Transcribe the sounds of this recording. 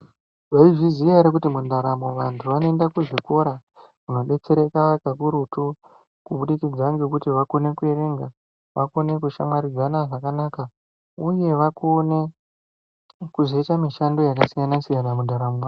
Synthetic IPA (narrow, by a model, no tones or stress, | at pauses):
ʋaiʐizijaɾek̬utimundaɾamo̞ʋantʰuʋanoendakuʐiko̞ɾa | kuno̞ɓe̞t͡se̞ɾe̞kakakuɾutu | kuɓuɗikid͡zaŋɡe̞kutiʋako̞ne̞kueɾe̞ŋɡa | ʋako̞ne̞kuʃamaɾid͡zanaʐakanaka | uje̞ʋako̞ne̞ | kuzoitamiʃando̞jakasiŋanasijanamundʱaɾamoa